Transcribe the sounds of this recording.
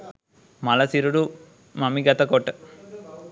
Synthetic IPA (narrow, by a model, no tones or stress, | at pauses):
mɐlɐsiɾuɽu | mɐmiɡɐt̪ɐkoʈː